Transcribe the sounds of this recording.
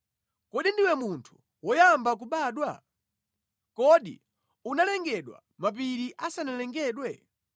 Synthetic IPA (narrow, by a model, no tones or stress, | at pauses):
kɔɗindiwɛmuntʰu̥ | wɔjambak̬uɓaːɗwa | kɔɗḭ | unalɛŋɡɛɗwa̰ | map̬iɾiʔasanalɛŋɡɛːɗwɛ